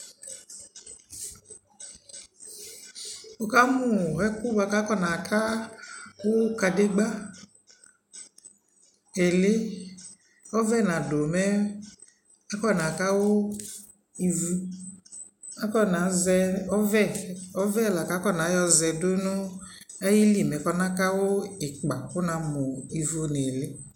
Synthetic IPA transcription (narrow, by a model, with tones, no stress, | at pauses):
o˨ka˦mu˨ɛ˦ku˦ba˧˦ka˦kɔ˦˨na˨kʰa˦ | wo˦ka˧de˦ɡ͡ba˦ | e˨le˦ | ɔ˦vɛ˦˨nã˨do˨mɛ˦ | a˦kɔ˦˨na˨ka˦wʊ˦ | i˧vu˧ | a˦kɔ˦na˨zɛ˧ɔ˦vɛ˦˨ɔ˦vɛ˦˨la˨ka˨˦kɔ˦˨na˨˦jɔ˧zɛ˧dʊ˦nʊ˦ɛ˦ji˦li˦˨mɛ˨kɔ˧na˦ka˦wʊ˦ɪ˨k͡pa˨kʊ˦na˧mʊ˨i˨vu˧ne˨lɪ˦